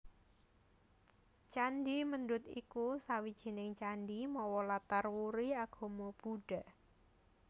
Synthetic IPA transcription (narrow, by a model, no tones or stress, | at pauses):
t͡ʃandimənd̪ʊt̪ḭkusawid̥ʒ̥i̤nɪŋt͡ʃandimɔwɔlat̪arwuɾiaɡ̥ɔ̤mob̥uɖ̥a̤